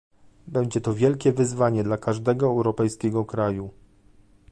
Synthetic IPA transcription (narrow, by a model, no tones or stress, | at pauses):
bɛɲd͡ʑɛt̪ɔvʲjɛlkʲɛvɘzvaɲɛd̪lakaʐd̪ɛɡɔɛwɾɔpɛjskʲɛɡɔkɾaju